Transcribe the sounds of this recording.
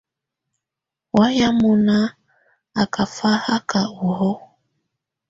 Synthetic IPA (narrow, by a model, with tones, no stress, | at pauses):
wa˦ja˦mu˨na˦ | a˨ka˨fa˦ha˦ka˨u˨hɔ˦